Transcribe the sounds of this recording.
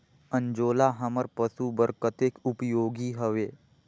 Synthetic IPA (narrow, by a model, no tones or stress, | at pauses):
ə̃nd͡ʒoːlaɦəməɾpəsubəɾkət̪eːkupjoːɡiːɦəʋeː